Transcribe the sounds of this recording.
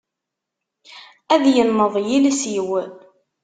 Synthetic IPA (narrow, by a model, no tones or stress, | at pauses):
æðjənːəðˤjilisjiwə